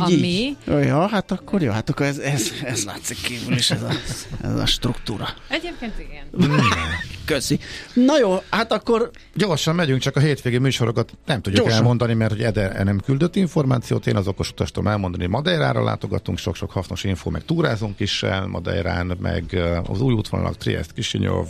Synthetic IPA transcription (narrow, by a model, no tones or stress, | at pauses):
iːijɒːɦat̪ɒkːorjo̰ːhat̪ɒkːoɾɛzɛzɛsla̰ːt̪sikʰːiːvyliʃɛzɒɛ̰zɒ̰ʃt̪rukt̪uːɾɒɛepkeːniɡɛn | køsinɒjoːhat̪ɒkːo̞r | ɟo̞rʃɒmmɛɟyŋkt͡ʃɒkɒɦeːt̪ʋeːɡeːmyːʃo̞ɾo̞kɒt̪nɛmt̪uɟ̪ːkɛlmo̞nd̪ɒnimɛrt̪ho̞ɟɛd̪ɛɛnɛmkyld̪øt̪ːiɱfo̞rmaːt̪sijoːt̪eːnɒzo̞ko̞ʃu̥t̪ɒʃt̪o̰mʔɛlmo̞nd̪ɒniomɒd̪ɛjɾaːɾɒ̰la̰ːt̪o̞ɡɒt̪uŋkʃo̞kʃo̞khɒsnoʃiɱfoːmɛkt̪uːɾaːzuŋkiʃɛnmʔɒ̰d̪ɛ̰ɾaːnmɛ̰ɡɒzuːjut̪ʋon̰lʔɒ̰kt̪rḭɛ̰st̪kiʃiɲo̰v